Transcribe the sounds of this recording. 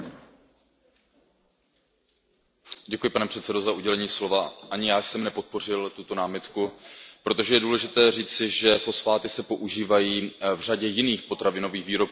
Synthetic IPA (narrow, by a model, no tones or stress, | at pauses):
ɟɛkujɪpanɛpr̥ɛt̪sɛdozauɟɛlɛɲiːslo̞vaʔaɲɪjaːjsɛmnɛpo̞t̪̚po̞r̝ɪlt̪ut̪o̞naːmɪt̪kupɾo̞t̪o̞ʒɛjɛduːlɛʒɪt̪ɛːriːt͡sɪʒɛfo̞sfaːt̪ɪsɛpo̞ʔuʒiːvajiːvr̝aɟɛjɪniːxpo̞t̪ɾavɪno̞viːxviːɾo̞p̚